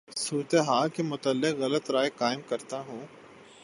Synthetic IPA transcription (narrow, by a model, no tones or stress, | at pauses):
suːɾət̪eɦaːlkemʊt̪əlːɪqɣɐlət̪ɾaːekaːɪmkɐɾt̪aɦũː